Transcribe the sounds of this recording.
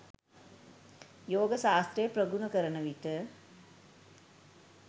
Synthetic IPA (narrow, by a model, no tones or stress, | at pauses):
joːɡəsaːst̪ɾejəprəɡunəkəɾənəʋiʈə